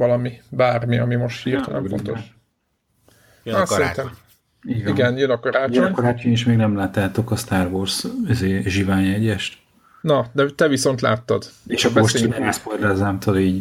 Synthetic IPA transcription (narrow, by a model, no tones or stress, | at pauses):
ɒlɒmibaːrmiɒmimo̞ʃt̪hiːrt̪ɒnɛ̰mo̰nt̪oʃ | ɒsɛɾint̪ɛm | iiɡɛnjønɒkɒɾaːt͡ʃoɲkɔɾaːt͡ʃoɲiʃmeːɡnɛmlaːt̪aːt̪okɒst̪aːrvorsizeːʒivaːɲɛɟɛʃt̪ | nɒd̪ɛt̪ɛviso̞n̪t̪la̰ːt̪ːɒd̪eːʃɒkːoʃtiɛsporlɛzaːmt̪ʰɒd̪iːɟ